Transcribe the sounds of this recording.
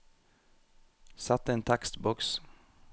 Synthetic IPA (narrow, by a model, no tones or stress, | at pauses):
sɑt̪əeːnt̪ʰɑkst̪bɔks